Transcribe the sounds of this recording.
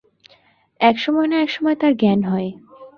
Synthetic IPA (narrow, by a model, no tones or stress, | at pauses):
ɛkʃɔmɔenaɛkʃɔmɔet̪aɾɡɛnɦɔe